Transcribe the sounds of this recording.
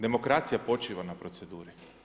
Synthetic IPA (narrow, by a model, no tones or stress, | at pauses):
d̪e̞mo̞kɾat̪sijapo̞t͡ʃiːʋanapɾo̞t̪sed̪uːɾi